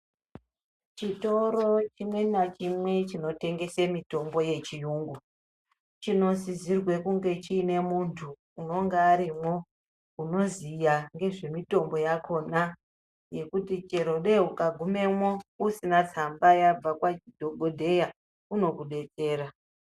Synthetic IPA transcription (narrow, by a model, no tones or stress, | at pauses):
t͡ʃito̞ɾo̞t͡ʃimwe̞nat͡ʃimwe̞t͡ʃino̞te̞ŋɡe̞semito̞mbo̞je̞t͡ʃijuːŋɡu | t͡ʃino̞zizirwe̞kuŋɡe̞t͡ʃiːne̞muntʰuː | no̞ŋɡeaɾimwo̞ | uno̞zijaŋɡe̞ʐe̞mito̞mbo̞jako̞na | je̞kutit͡ʃe̞ɾo̞ɗe̞ukaɡʱume̞mwo̞usinat͡sambajab͡vakwadʱoɡʱodʱe̞ja | uno̞kuɗe̞t͡se̞ːra